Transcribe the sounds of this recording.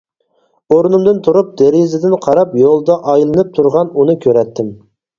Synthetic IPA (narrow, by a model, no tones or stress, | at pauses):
oɾnumd̪ɨnt̪ʰuɾup̚d̪eɾizɪd̪ɪnqʰɑɾɑpjolˠd̪ɑʔɑjlˠɨnɨp̚t̪ʰuɾʁɑnunɨkʲʰøɾɛt̪ːɪm